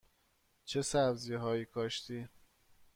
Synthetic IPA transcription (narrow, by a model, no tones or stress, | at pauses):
t͡ʃʰesæbzijeɦɒːjiːkʰɒːʃt̪ʰiː